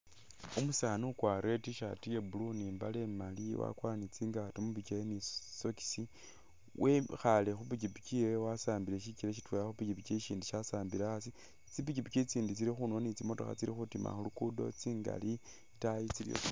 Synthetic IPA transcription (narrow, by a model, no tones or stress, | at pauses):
umusaːnukwaɾetiʃa̰tijebuluniːmbalemaliwa̰kwanit͡siŋɡatomuβikejeniso̞ki̥si | wʔexalexupikipit͡ʃiwewasaːmbileʃiciɾeʃ̬itwejaxupicipit͡ʃeʃiːndiʃasaːmbilaasi | t͡sipicipit͡ʃit͡siːndit͡siɾixuno̞nit͡simo̞to̞̰xa̰t͡siɾixutima̰xulukudo̞̰t͡siːŋɡa̰li | tajit͡silḭjo̰